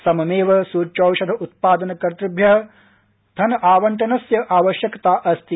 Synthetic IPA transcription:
sɐmɐmeːʋɐsuːɾt͡ʃɐːwʃɐd̪ʱɐʔut̪̚paːd̪ɐnɐkɐɾt̪ɾɐbʱjɐɦɐ | d̪ʰʱɐnɐʔaːʋɐɳʈɐnɐsjɐʔaːʋɐʃjɐkɐt̪aːʔɐst̪i

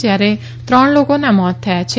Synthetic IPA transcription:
d͡ʒjaɾe | t̪ɾɔɳ̃lokonamɔt̪ʰːɛat͡ʃʰe

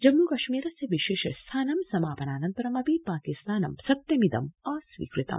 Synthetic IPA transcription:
d͡ʒɐmukɐʃmiːɾɐsjɐʋiʃeːʃɐst̪ʰaːnɐmsɐmaːpɐnaːnɐnt̪ɐɾɐmɐpipaːkist̪aːnɐmsɐk̚t̪jɐmid̪ɐmɐsʋḭːkɾit̪ɐ̰m

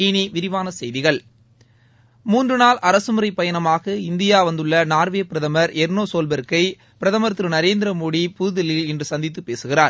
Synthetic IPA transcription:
iːniʋɪɾɪʋaːnɐsɛjðɪɣɐɭ | muːndrɯnaːlʔɐɾɐsɯmɯɾɐɪpːɐjɐnɐmaːɣɐɪnd̪ɪjaːʋɐnd̪ɯɭːɐnaːɾʋeːpɪɾɐðɐmɐɾɛɾnoːsoːlbɐɾɯkːɐɪ | pɪɾɐðɐmɐɾt̪ːɯɾɯnɐɾeːnd̪ɪɾɐmoːɽipuːðɪlɪlɛndrɯsɐnd̪ɪt̪ːɯpːeːsɯɣɪraːɾ

